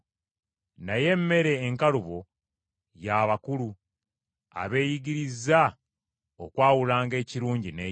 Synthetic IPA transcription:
naje̞mːe̞ɾe̞ːŋkaluβo̞ | jaːβakulu | a̰βe̞ːjiɡiɾiza | okwaːwulaːŋɡe̞ːciɾuːɲɟine̞ː

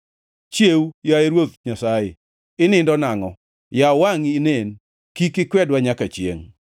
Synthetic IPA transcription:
t͡ʃjewjaeɾwot̪ɲasajɪ̰ | ɪnɪndɔnaŋɔ | jawaŋinen | kikɪkwɛdwaɲakat͡ʃjḛŋ

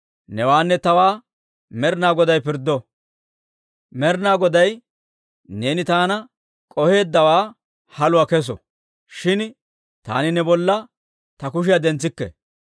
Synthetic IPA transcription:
nɛwaːnːɛt̪ɐwaː | mɛɾnaːɡɔd̪ɐjpɪɾd̪ːɔ | mɛɾnaːɡɔd̪ɐj | ne̞ːnɪt̪aːnɐ | kʼɔhe̞ːd̪ːɐwaː | hɐlʊwɐkɛs̬ɔ̰ | ʃɪn | t̪a̰ːnɪnɛbɔlːɐ | t̪ɐkʊʃ̬ɪjɐd̪ɛnt͡sːɪkːɛ̰

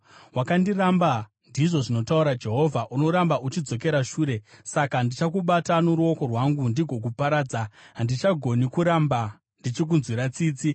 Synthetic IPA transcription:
wakandiramba | ndiʐo̞ʐino̞tauɾad͡ʒe̞ɦo̞vʱaʔuno̞ɾambaʔut͡ʃid͡zo̞k̬e̞ɾaʃuːɾe̞sakandit͡ʃakuɓatanoɾuo̞ko̞rwaŋɡundiɡʱo̞k̬upaɾaːd͡zaɦandit͡ʃaɡʱo̞nikuɾamba | ndit͡ʃek̬unzwiɾat͡siːt͡si

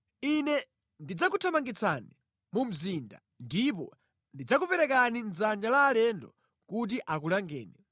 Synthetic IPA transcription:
inɛ | ndid͡zakutʰamaŋɡit͡sʰa̰ni | mum̩zinda̰ | ndip̬ɔ̰ | ndid͡zakupɛɾɛkanind͡zand͡ʒalaːlɛndɔ̰ | kut̬iʔak̬ulaŋɡɛ̰ːnɛ

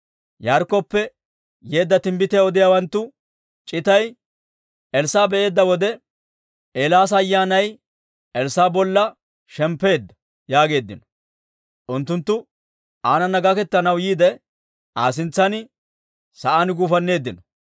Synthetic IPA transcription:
jaɾkːɔpːɛ | jeːd̪ːɐt̪ɪmbɪt̪ɪjaɔd̪ɪjaːwɐnt̪ːʊ | t͡ʃʼɪt̪ɐj | ɛlsaːbɛʔe̞ːd̪ːɐwɔd̪ɛ | ʔeːlaːs̬ɐːjːaːnɐj | ɛlsaːbɔlːɐ | ʃɛmpːe̞ːd̪ːɐ̥ | jaːɡe̞ːd̪ːɪnɔ̥ | ʔʊnt̪ːʊnt̪ːʊ | aːnɐnːɐɡɐkɛt̪ːɐnɐwjiːd̪ɛ | ʔaːsɪnt͡sːɐnɪ | sɐʔaːnɡuːfɐnːe̞ːd̪ːɪnɔ

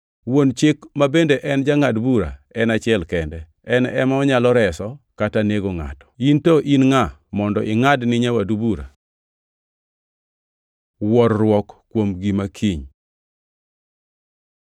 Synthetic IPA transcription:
wont͡ʃɪkmabendeʔɛnd͡ʒaŋadbuɾa̰ɛnat͡ʃɪɛlkɛndɛ | ɛnɛ̰maɔɲalɔɾɛsɔkataneɡoŋa̰tɔ̥intoʔinŋamɔndɔʔɪŋadnɪɲawadubuɾa̰ | wɔrːwɔkkːwomɡimakʰiɲ

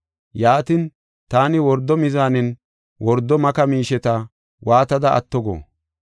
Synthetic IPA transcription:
jaːt̪in | t̪aːnɪwɔɾd̪ːɔmɪzaːnɪn | wɔɾd̪ːɔmɐkɐmiːʃɛt̪ɐ | wʔaːt̪ɐd̪ɐʔɐ̰t̪ːɔɡɔ̰

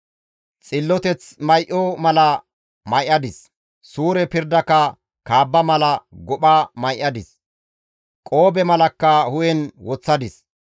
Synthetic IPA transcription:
t͡sʼɪlːɔt̪ɛt͡smɐjʔɔmɐlɐ | mɐjʔɐd̪ɪs | suːɾɛpɪɾd̪ɐkːɐ | kaːbːɐmɐlɐɡɔɓamɐjʔɐd̪ɪs | kʼo̞ːbɛmɐlɐkːɐhʊjɛnwɔt͡sːɐd̪ɪs

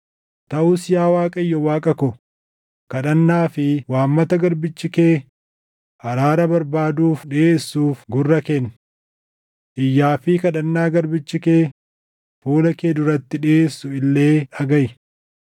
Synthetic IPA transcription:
t̪ɐʔʊsɪjaːwaːkʼɐjːɔwaːkʼɐkɔ | kɐᶑɐnːaːfɪwaːmːɐt̪ɐɡɐɾbɪt͡ʃːɪke̞ː | hɐɾaːɾɐbɐɾbaːd̪uːfᶑɪeːsːuːfɡʊrːɐken | ʔɪjːaːfɪkɐᶑɐnːaːɡɐɾbɪt͡ʃːɪke̞ː | fuːlɐkeːd̪ʊɾɐt̪ːɪᶑɪeːsːʊɪlːe̞ːᶑɐɡɐjɪ

